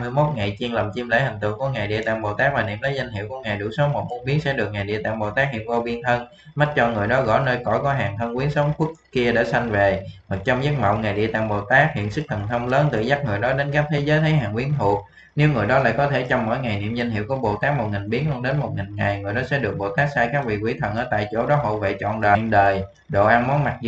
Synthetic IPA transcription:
mɨ˧əjmo˦˥t̚ŋa˨˩jt͡ɕi˧ənlə˨˩mt͡ɕi˧mlḛ˧˥hï˨˩ŋ̟t̪ɨ̰˧˨ŋku˧˩əŋaː˨˩jɗḭ˧˨t̪a̰ː˧˨ŋɓo˨˩t̪aː˦˥k̚vaː˨˩nḭ˧əmlə˨˦jza˧jŋ̟hḭ˧˨əwku˧˩əŋaː˨˩jɗṵ˧˩so˨˦mo˨˩t̚mu˧ənɓi˨˦əŋsɛ̰˧˥ɗɨ˨˩ək̚ŋa˨˩jɗi˧ət̪a̰ː˧˨ŋɓo˨˩t̪aː˦˥k̚hḭ˧˨ənvo˧ɓi˧ənt̪ʰə˧n | ma˦˥t̚t͡ɕɔ˧ŋɨ˨˩jɗɔ˨˦ɣɔ̰˧˥˨jnəː˧jkɔ̰˧˩jkɔ˨˦ɦaː˨˩ŋt̪ʰə˧nkwi˨˦ənsə˨˦wŋ͡mku˦˥əkki˧əɗḛ˧˩sa˧jŋ̟ve˨˩ma˨˩k̚t͡ɕɔ˧wŋ͡mza˦˥t̚mə̰˧˨wŋ͡mŋa˨˩jɗi˧˨t̪a̰ː˧˨ŋɓo̰˧˨˩t̪aː˦˥k̚hḭ˧˨ənsɨ˦˥k̚t̪ʰə˨˩nt̪ʰə˧wŋ͡mləː˨˦nt̪ɨ̰˧˨za˦˥k̚ŋɨ˨˩jɗɔ˨˦ɗe˨˦nkaː˦˥k̚t̪ʰe˨˦zəː˨˦jt̪ʰə˨˦jɦaː˨˩ŋwi˨˦ənhu˨˧˩t̚ | ne˨˦wŋɨ˨˩əjɗɔ˨˦la̰ː˧˨jkɔ˨˦t̪ʰe˧˩t͡ɕɔ˧wŋ͡mmo̰˧˥jŋa˨˩jnḭ˧˨əmza˧jŋ̟hi˧˨əwkɔ˨˦ɓo̰˧˩t̪aː˦˥k̚mo˨˩t̚ŋï˨˩ŋ̟ɓi˨˦əŋlu˧ə˧nɗe˨˦nmo˨˩t̚ŋï˨˩ŋŋa˨˩jŋɨ˨˩əjɗɔ˨˦sɛ̰˧˥ɗɨ˨˩ək̚ɓo˨˩t̪aː˦˥k̚saː˧jkaː˦˥k̚vḭ˧˨kwḭ˧˩˦t̪ʰə˨˩nʔəː˧˩t̪a̰ː˧˨jt͡ɕo̰˧˩ɗɔ˨˦ɦo̰˧˨vḛ˧˨t͡ɕɔ̰˧˨nɗəː˨˩nɗəː˨˩j | ɗo̰˧˨ʔaː˧ŋmɔ˨˦nma˨˩t̚zɨ˧

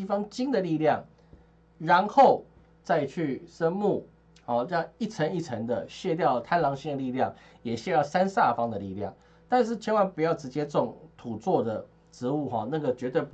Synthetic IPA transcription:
i˥fɑ˦˥ŋt͡ɕi˥ŋd̪ə˨li˥˧ljɑ˥˨˩ŋ | ɻa˧˦nxo˥˩ʊ | t͡sa˥˧ɪt͡ɕʰy˥˩ʂə˥nmu˥˩ | hɔ˨˩jɑ˥˩i˥˩t͡sʰə˧˥ŋi˥˩t͡sʰə˧˥ŋd̪ə˨ɕjɛ˥˧t̪̬jɑ˥˩ʊt̪ʰa˥nlɑ˧˥ŋɕi˥˧ŋd̪ə˨li˥˧ljɑ˥˩ŋ | jɛ˨˩ɕjɛ˥˧t̪jɑ˥˨˩ʊsa˦nsa˥˩fɑ˧˥ŋd̪ə˨lḭ˥˨ljɑ̰˥˩ŋ | t̪a˥˧nʂ̬̩˥˩t͡ɕʰjɛ˧˥nwa˧˥npu˨˩jɑ˥˩ʊʈ͡ʂɻ̩˧˦˥t͡ɕjɛ˥t͡sʊ˥˩ŋt̪ʰu˨˩t͡swɔ˥˩d̪ə˩ | ʈ͡ʂɻ̩˧˦u˥˨xɔ˨na˥˩ɡə˩t͡ɕɥɛ˧˥t̪we˥˧˩ɪp

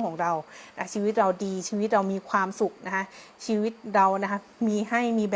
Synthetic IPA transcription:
ŋkʰɔː˩˦ŋɾa˧wna˦˥t͡ɕʰiː˧wi˦˥t̪̚ɾa˧wdiː˧t͡ɕʰiː˧wt̪̚ɾa˧wmiː˧kʰwaː˧msu˨˩k̚na˦˥kʰa˦˥ | t͡ɕʰiː˧wi˦˥t̪̚ɾa˧wna˦˥kʰa˦˥ | miː˧ɦa˥˩jmiː˧bɛː˨

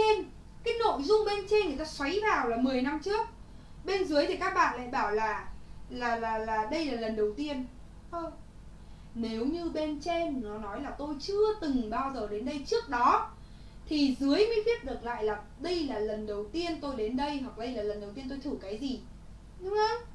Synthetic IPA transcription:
e˧n | kaː˨˦jno̰˧˨jzʊ˧ŋ͡mɓe˧nt͡ɕe˧nŋɨ˨˩əjt̪aː˧swa˨˦jvaː˨˩wlaː˨˩mɨ˨˩əjna˧mt͡ɕɨ˦˥ək̚ | ɓe˧nzɨ˨˦əjt̪ʰi˨˩kaː˦˥k̚ɓa̰ː˧˨nla̰ː˧˨jɓaː˧˩wlaː˨˩laː˨˩laː˨˩laː˨˩ɗə˧jlaː˨˩lə˨˩nɗə˨˩wt̪i˧ən | ʔəː˧ | ne˨˦wɲɨ˧ɓe˧nt͡ɕe˧nnɔ˨˦nɔ˨˦jlaː˨˩t̪o˧jt͡ɕɨ˧ət̪ɨ˨˩ŋɓaː˧wzəː˨˩ɗe˨˦nɗə˧jt͡ɕɨ˦˥ək̚ɗɔ˨˦ | t̪ʰi˨˩zɨ˨˦əjmḭ˧˥vʰi˦˥ət̚ɗɨ˨˩ək̚la̰ː˧˨jlaː˨˩ | ɗə˧jlaː˨˩lə˨˩nɗə˨˩wt̪i˧ənt̪o˧jɗe˨˦nɗə˧jɦwa˨˩k̚ɗə˧jlaː˨˩lə˨˩nɗə˨˩wt̪i˧ənt̪o˧jt̪ʰu˧˩kaː˨˦jzi˨˩ | ɗʊ˨˦ŋə˧˦

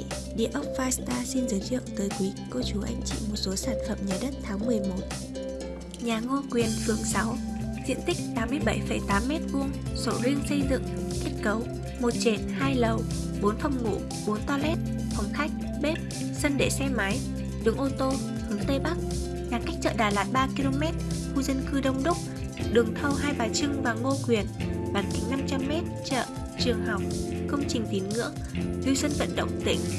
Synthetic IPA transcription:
ɗḭ˧˨əʔə˦˥k͡p̚vaː˧jst̪aː˧si˧nzəː˨˦jzɨ̰˧˨əŋt̪əː˨˦jkwi˨˦ko˧t͡ɕu˨˦ʔa̰˧jŋ̟t͡ɕḭ˧˨mo˨˩t̚so˨˦saː˧˩nfə̰ː˨˩p̚ɲaː˨˩ɗə˦˥t̚t̪ʰaː˨˦ŋmɨ˨˩əjmo˨˦t̚ | ɲaː˨˩ŋo˧kwi˨˩ənfɨ˨˩əŋsa˨˦wzḭ˧˨ənt̪ï˦˥k̚t̪aː˨˦mːɨ˧əjɓə˧˩jfə˧˩jt̪aː˨˦mːɛ˦˥t̚ku˧əŋso˧˩zi˧əŋsə˧jzɨ̰˧˨ŋ | ke˦˥t̚kə˨˦w | mo˨˩t̚t͡ɕe˨˧˩nhaː˧jlə˨˩w | ɓo˨˦nfə˧wŋ͡mŋṵ˧˨ | ɓo˨˦nt̪ɔ˧lʔɛ˦˥t̚ | fə˨˦wŋ͡mxʰa˦˥jk̟̚ | ɓe˦˥p̚ | sə˧nɗḛ˧˨sɛ˧ma˨˦j | ɗɨ˨˦əŋʔo˧t̪o˧ | hɨ˨˦ŋt̪e˧ɓa˦˥k̚ | ɲaː˨˩ka˦˥jk̚t͡ɕə̰ː˧˨ɗaː˨˩laː˨˩t̚ɓaː˧ki˧lo˧mɛ˦˥t̚xu˧zə˧nkɨ˧ɗə˧wŋ͡mɗʊ˦˥k͡p̚ | ɗɨ˨˩əŋt̪ʰə˧wɦaː˧jɓaː˨˩t͡ɕɨ˧ŋvaː˨˩ŋo˧kwi˨˩ənɓaː˨˩nkï˨˦ŋna˧mt͡ɕa˧mːɛ˦˥t̚t͡ɕə̰ː˧˨ | t͡ɕɨ˨˩əŋɦa˨˩wk͡p̚kə˧wŋ͡mt͡ɕï˨˩ŋ̟t̪i˨˦nŋɨ̰˧˥ək̚zi˧wsə˧nvə̰˧˨nɗə̰˧˨wŋ͡mt̪ḭ̈˧˩ŋ̟

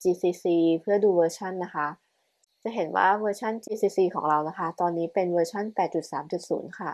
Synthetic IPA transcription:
t͡ɕiː˧siː˧siː˧pʰɯ˥˩ɐduː˧wɤː˧t͡ɕʰa˥˩nːa˦˥kʰa˦˥ | t͡ɕa˨˩ɦe˩˦nwa̰ː˥˩wɤː˧t͡ɕʰa˥˩nt͡ɕiː˧siː˧siː˧kʰɔ̰ː˩˦ŋɾa˧wna˦˥kʰa˦˥t̪ɔː˧nːiː˦˥pe˧nwɤː˧t͡ɕʰa˥˩npɛː˨˩t̪̚t͡ɕu˨˩t̪̚saː˩˦mt͡ɕu˨˩t̪̚sṵː˩˦nkʰa˥˩

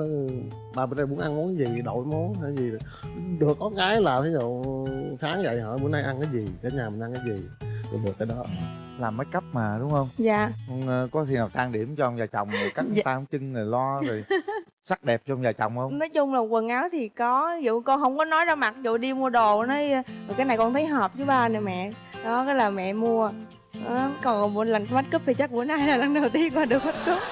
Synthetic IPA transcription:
ɓaː˨˩m˨˩nɗa˧˩ɓu˨˦ənʔa˧nmo˨˦nka˨˦jzi˨˩ɗo̰˧˨jmo˨˦nhaː˧˨˩zi˨˩˨ | ɗɨ˨˩əkːɔ˨˦ɣaː˨˦jlaː˨˩t̪ʰe˨˦zṵ˧˨saː˨˦ŋzə̰˧˨jɦə̰ː˧˨mu˨˦ənʔa˧jʔa˧nkaː˨˦jzi˨˩k̪aː˨˦ɲaː˨˩mi̟˨˩ʔa˧ŋkaː˨˦jzi˨˩kɔ˨˩ɗɨ˨˩ək̚taː˧jɗɔ˨˦ | laː˨˩mːə˨˦jkə˦˥p̚maː˨˩ɗʊ˨˦ŋ͡mhə˧wŋ͡mzaː˧˨hɔ˧nː˧kɔ˨˦t̪ʰi˧˩naː˨˩wt̪ʰaː˧ŋɗi˧˩əmt͡ɕɔ˧ʔwŋ͡mzaː˨˩t͡ɕɔ̰˧˨wŋ͡mzo˨˩ka˦˥k̚ʔt̪aː˧hŋ͡mt͡ɕɨ˧ŋnə˨˩jlɔ˧zo˨˩j | sa˦˥k̚ɗɛ˨˩p̚t͡ɕɔ˧ŋ͡mzaː˨˩t͡ɕɔ̰˧˨wŋ͡mhə˧wnɔ˨˦jt͡ɕʊ˧wŋ͡mlaː˨˩kwə˨˩nʔaː˨˦wt̪ʰi˨˩kɔ˨˦zṵ˧˨˩kɔ˧nɦə˧wŋ͡mkɔ˨˦nɔ˨˦jzaː˧ma˨˩k̚zṵ˧˨ɗi˧mu˧əɗo˨˩nə˨˦jkaː˨˦jna˨˩jkɔ˧nt̪ʰə˨˦jɦɔː˨˩p̚t͡ɕɨ˨˦ɓaː˧nə˨˩mɛ̰˧˨ | nɔ˨˦kɔː˨˦laː˨˩mɛ̰˧˨mu˧ə | ɔ˨˦kɔ˨˩n˨˩mu˧˩la˨˩ŋ˧ma˦˥t̚kɨ˦˥p̚fiː˨˩t͡ɕa˦˥k̚ku˧˩ənaː˨˧˩jlaː˨˩la˨˩ŋɗə˨˩wt̪i˧əmkɔː˧˩ɗɨ˨˩ək̚ma˦˥t̚kɨ˦˥p̚

